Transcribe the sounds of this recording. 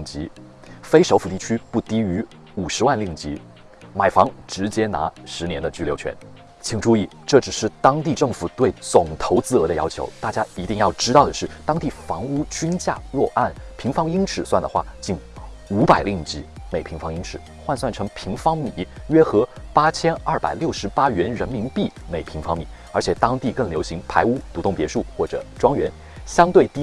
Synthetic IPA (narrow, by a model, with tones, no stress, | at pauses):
ŋt͡ɕi˧˥ | fe˥ɪʂo˧˥ʊfu˨˩t̪i˥˩t͡ɕʰy˥pu˥˩t̪i˥y˧˥ | u˨˩ʂɻ̩˧˥wa˥˧nli˥˩ŋt͡ɕi˧˥ | ma˨˩ɪfɑ˧˥ŋʈ͡ʂɻ̩˧˥t͡ɕjɛ˥na̰˧˥ʂɻ̩˧˥njɛ˧˥nd̪ə˧t͡ɕy˥˩ljo˧˥ʊt͡ɕʰɥɛ̰˧˥n | t͡ɕʰi˨˩ŋʈ͡ʂu˥˧i˥˩ | ʈ͡ʂɤ˥˩ʈ͡ʂɻ̩˨˩ʂɻ̩˥˩t̪ɑ˥ŋt̪i˥˧ʈ͡ʂɤ˥˩ŋfu˨˩t̪we˥˩ɪt͡sʊ˨˩ŋt̪ʰo˧˥ʊt͡sɹ̩˥˩ɤ˧˥d̪ə˧jɑ̰˥ʊt͡ɕʰjo̰˧˥ʊt̪a˥˩t͡ɕja˥i˧˥t̪i˥˧ŋjɑ˥˩ʊʈ͡ʂɻ̩˥t̪ɑ˥˩ʊd̪ə˩ʂɻ̩˥˩t̪ɑ˥ŋt̪i˥˩fɑ˧˥ŋu˥t͡ɕy˥nt͡ɕja̰˥˧ɻwɔ˥˧ʔa˥˩npʰi˧˥ŋfɑ˥ŋi˥ŋʈ͡ʂʰɻ̩˨˩swa˥˩nd̪ə˩xwa˥˩t͡ɕi˥˩n | u˧˥pa˨˩ɪli˥˩ŋ˨t͡ɕi˧˥me˨˩ɪpʰi˧˥ŋfɑ˥ŋi˥ŋʈ͡ʂʰɻ̩˨˩˦xwa˥˧nswa˥˩nʈ͡ʂʰɤ˧˥ŋpʰi˧˥ŋfɑ˥ŋmi˨˩˦ɥɛ˥xɤ˧˥pa˥t͡ɕʰjɛ˥nɐ˞˥˩pa̰˨˩ɪljo˥˩ʊʂɻ̩˧˥pa˥ɥɛ˧˥nɻə˧˥nmi˧˥ŋpi˥˩me˨˩ɪpʰi˧˥ŋfɑ˥ŋmi˨˩˦ | ə˞˧˥t͡ɕʰjɛ˨˩˦t̪ɑ˥ŋt̪i˥˧kɤ˥˩ŋljo˧˥ʊɕi˧˥ŋpʰa˧˥ɪu˥t̪u˧˥t̪ʊ˥˩ŋpjɛ̰˧˥ʂu˥˧xwɔ˥˩ʈ͡ʂɤ̰˨˩˦ʈ͡ʂwɑ˥ŋɥɛ˧˥n | ɕjɑ˥ŋt̪we˥˩ɪt̪i˥